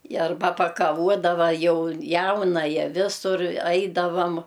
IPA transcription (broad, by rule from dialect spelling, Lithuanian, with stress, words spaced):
ɪ ɐrˈbɐ pɐkɐˈʋuɔdɐʋɐ ˈjɛʊ ˈjɛʊnɐjɛ ˈʋʲɪsʊr ˈɐɪdɐʋɐm